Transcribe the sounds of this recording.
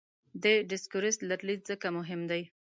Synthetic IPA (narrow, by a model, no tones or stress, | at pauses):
d̪eɖɪskʊɾɪst̪laɾlid̪̚zəkamʊɦɪmd̪aj